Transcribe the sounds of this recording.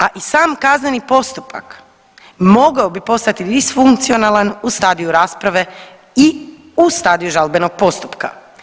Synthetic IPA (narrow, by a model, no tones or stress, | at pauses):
aʔisaːmkaznenipo̞st̪upa̰k | mo̞ɡaobipo̞st̪at̪id̪isfuŋkt̪sio̞nalanust̪aːd̪ijuɾaːspɾaʋe̞ | i | ust̪aːd̪ijuʒalbeno̞ɡ̥̚po̞st̪upka̰